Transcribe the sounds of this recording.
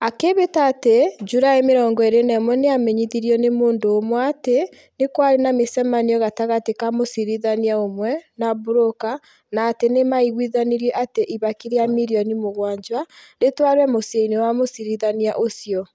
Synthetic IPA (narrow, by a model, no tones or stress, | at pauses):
akeβetaːted͡ʒuɾaemeɾɔːŋɡɔeɾenɛmwɛneamɛɲiðiɾiɔnemoːndoːmwate | nekwaɾenamesɛmaniɔɣataɣatekamosiɾiðaniaomwɛnabuɾoka | naːtenemaiɣwiðaniɾiɛʔateʔiβakiɾeamiɾiɔnimoɣwaːɲd͡ʒwaɾetwaɾwɛmosieinewamosiɾiðaniaʔosiɔ